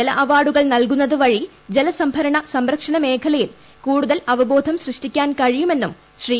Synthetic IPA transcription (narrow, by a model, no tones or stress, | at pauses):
elɐ̰ʔɐʋaːɽuɣɐɭnɐlkunːɐðɨʋɐɻi | d͡ʑelɐsɐmbʱɐɾɐɳɐsɐmɾɐkʂɐɳɐme̞ːkʰɐlɐjil | kuːɽuðɐlɐʋɐbo̞ːd̪ʱɐmɕrɨʂʈikʲːaːnkɐɻijume̞nːum | ɕriː